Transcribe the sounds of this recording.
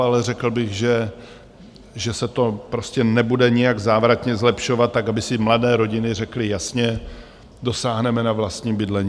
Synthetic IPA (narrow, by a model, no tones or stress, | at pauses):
alɛrɛkl̩bɪɣʒɛ | ʒɛsɛt̪o̞pɾo̞scɛnɛbudɛɲɪjaɡzaːvɾat̪ɲɛzlɛpʃo̞vat̪̚ːakabɪsɪmladɛːɾo̞ɟɪnɪrɛklɪjasɲɛ | do̞saːɦnɛmɛnavlast̪ɲiːbɪdlɛɲiː